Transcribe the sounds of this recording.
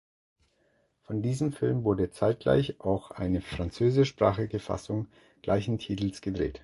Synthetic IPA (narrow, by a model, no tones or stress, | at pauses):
fɔndiːzəmfɪlmvʊɐdət͡saɪt̚ɡ̥la̰ɪçʔaʊxʔa̰ɪnəfʁ̥ant͡søːzɪʃpʁ̥a̰ːχɪɡəfa̰sʊŋ | ɡ̥la̰ɪçn̩tʰiːtl̩sɡ̥ədʁḛːt